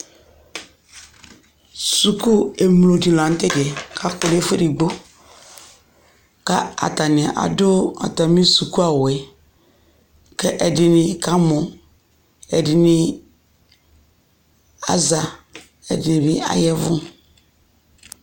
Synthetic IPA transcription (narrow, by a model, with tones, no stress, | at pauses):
su˨ku˦e˨m˨lo˨di˨lã˨n˦te˦dɛ˨kʰa˦ko˨le˦fe˦ɾi˨ɡ͡bo˦ | ka˦a̰˨ta˨ni˨ʔa̰˨dʊ˦a̰˨ta˨mĩ˦su˨ku˦a˨wɛ˨ | kɛ˦ʔɛ˨dɪ˨nɪ˨ka˦mo˨ | ɛ˨dɪ˨nɪ˦ | a̰˦za˨ | ɛ̰˨dɪ˨nɪ˨bi˦a̰˦jɛ˦vʊ˦